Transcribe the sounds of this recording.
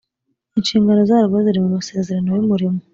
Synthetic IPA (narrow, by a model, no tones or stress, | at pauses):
eɲʃiːŋɡano̞zaɾuβoziɾimumuse̞ːzeɾanowemuɾimu